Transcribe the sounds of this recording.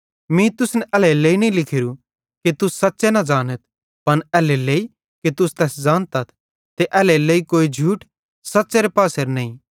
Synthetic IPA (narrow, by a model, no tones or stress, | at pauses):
mĩt̪ʊsnɛʔɛːleleːinɐĩlɪkʰɪɾu | kit̪ʊsːɐt̪ːsenɐd͡ʒaːnət̪̚ʰ | pɐnɛːleleːi | ket̪ʊst̪ɛːsd͡ʒãːnt̪ɐt̪ʰ | t̪eʔɛːlɛleːikoːid͡ʒʱuːʈ | sɐtːseɾepaːseɾnɐ̃ːĩ